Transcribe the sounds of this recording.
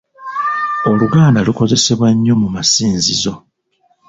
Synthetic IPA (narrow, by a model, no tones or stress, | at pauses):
o̞luɡaːndaluko̞ze̞se̞βwaɲːo̞mumasiːnzizo̞